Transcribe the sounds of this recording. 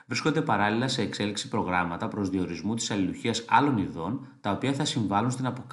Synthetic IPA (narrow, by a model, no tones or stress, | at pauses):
vɾisko̞nd̪e̞pɐɾɐlilɐse̞ːkse̞liksi̥pɾo̞ɣɾɐmɐt̪ɐpɾo̞zðio̞ɾizmut̪i̥sɐliluçiɐsɐlo̞niðo̞nt̪ɐo̞piɐθɐsiɱvɐlunst̪inɐpok